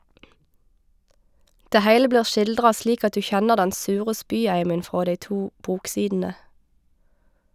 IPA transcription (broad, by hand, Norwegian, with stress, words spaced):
ˈdeː ˈhæɪlə ˈbliːʁ ˈʃɪldʁɑ ˈsliːk ˈɑt ˈdʉː ˈçɛnəʁ ˈdɛn ˈsʉːʁə ˈspyːˌæɪmən ˈfʁoː ˈdæɪ ˈtuː ˈbuːkˌsiːdn̩ə